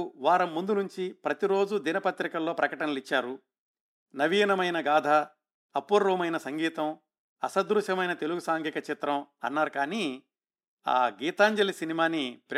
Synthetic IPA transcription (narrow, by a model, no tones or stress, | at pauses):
ʋaːɾɐmːund̪unuɲt͡ʃipɾɐt̪iɾo̞ːd͡ʒud̪inɐpɐt̪ɾikɐlːo̞ːpɾɐkɐʈɐnɐlit͡ʃːaːɾu | nɐʋiːnɐmɐjnɐɡaːd̪ʱɐː | pːuɾɾuːmɐjnɐsɐŋɡiːt̪ɐm | ɐsɐd̪ɾuʃɐmɐjnɐt̪e̞luɡusaːŋɡikɐt͡ʃit̪ɾɐmɐ̰nːaːɾukaːniː | a̰ːɡiːt̪aːɲd͡ʒɐlisinimaːnipɾ